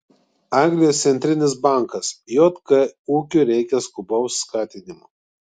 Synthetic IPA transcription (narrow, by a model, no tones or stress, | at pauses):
ɑˑŋɡlʲɪjoːst̪sʲɛnʲt̪ʲɾʲɪnʲɪs̬bɑˑŋˑkɐsjoːt̪kɐuːkʲuːɾʲɛɪkʲɛskʊbɐʊsːkɑːt̪ʲɪnʲɪmʊ